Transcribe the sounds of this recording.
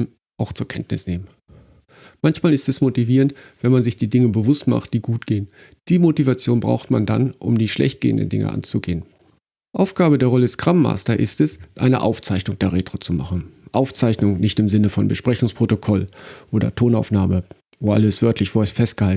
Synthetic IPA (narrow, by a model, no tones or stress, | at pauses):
m | ʔaʊxt͡suːɐkʰɛntnɪsneːmən | mançmaːlɪstɛsmotiviːʁəntv̥ɛnmanzɪçd̥iːdɪŋəbəvʊstma̰χt̚d̥iːɡuːt̚ɡ̥eːən | d̥iːmotivat͡sjoːnbʁa̰ʊxtmanda̰nʔʊ̰mdiːʃlɛ̰çt̚ɡ̥ḛːə̰ndə̰n̩dɪ̰ŋʔə̰ʔa̰nt͡suɡeːən | ʔaʊfɡ̥aːbədeːɐʁɔləsɡ̥ʁ̥amːa̰ːstɐʔɪ̰stɛsʔa̰ɪnə̰ʔa̰ʊft͡saɪçnʊŋd̥eːɐʁeːtʁ̥oːt͡suma̰χn̩ʔaʊft͡saɪçnʊŋnɪçtɪmzɪnəfɔnbəʃpʁ̥ɛçʊŋspʁ̥otokʰɔlʔoːdɐ̰tʰoːnaʊfnaːmə | voːʔa̰ləsv̥œɐtlɪçv̥oɐsfɛst̚ɡ̥əhal